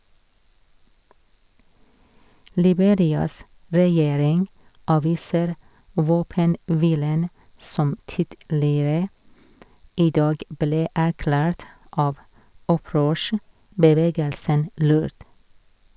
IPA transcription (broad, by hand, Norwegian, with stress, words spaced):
lɪˈbeːɾɪɑs ɾɛˈjeːɾɪŋ ˈʔɑːʋiːsəɾ ˈʋoːpənˌʋiːlən ˈsɔm ˈtɪdlɪɾə ˈiː ˈdɑːɡ ˈbleː æɾˈklæːɾt ˈʔɑːʋ ˈɔˌpɾøːʃəbəˌʋeːɡəlsən ˈlʉːɾd